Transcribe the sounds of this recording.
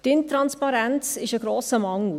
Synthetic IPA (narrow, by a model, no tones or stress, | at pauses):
d̥ɪntrɐnspɑɾæntsɪsəɡroːsəmɐŋu